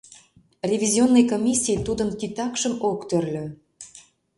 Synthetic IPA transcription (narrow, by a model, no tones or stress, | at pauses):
rʲevʲizʲionːɤjkomʲisʲːijt̪ud̪ənkit̪ɑkʃəmokt̪ørlʲø̆